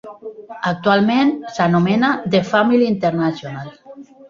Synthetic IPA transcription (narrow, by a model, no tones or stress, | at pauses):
ak̚t̪ualmẽnsanomenaðefamiljint̪eɾnasjonal